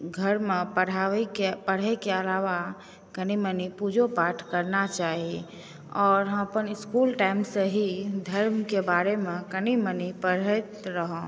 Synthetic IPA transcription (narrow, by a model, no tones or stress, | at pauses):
ɡʱəɾmẽpəɽ̤aːekepəɽ̤ekeəlaːʋa | kənimənipud͡ʒopaːʈʰkəɾnat͡ʃaːɦie | ɔːɾɦə̃mpənɪskuːlʈaːɪmseɦid̪ʱəɾmkebaːɾemẽkənimənipəɽ̤ət̪ɾəɦõ